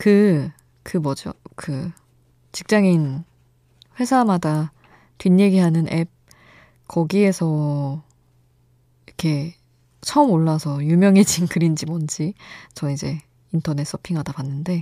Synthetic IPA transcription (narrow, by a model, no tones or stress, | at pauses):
kɯ | kɯmʌd͡ʑo̰kɯ | t͡ɕik̚t͡ɕ͈aŋin | ɸwe̞sʰamada | tɥiɲje̞ɡiɦanɯnʔe̞p̚ | kʌɡie̞sʰʌ | ikʰe̞ | t͡ɕʰʌɯmoɭːasʰʌjumjʌŋed͡ʑinkʰɯɾind͡ʑimʌnd͡ʑit͡ɕʌid͡ʑe̞ | intʰʌne̞s͈ʌpʰiŋɦadapanːɯnde̞